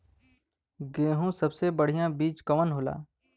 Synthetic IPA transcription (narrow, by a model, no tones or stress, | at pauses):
ɡeːɦũsɐbsebəɽ̤ijãbiːt͡ʃkɐmənɦoːla̰ː